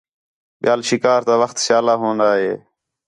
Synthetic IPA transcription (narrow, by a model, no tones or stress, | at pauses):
ɓjaːlʃɪkaːɾt̪ãːʋəxt̪ʃjaːlaːɦõːnd̪aːɦeː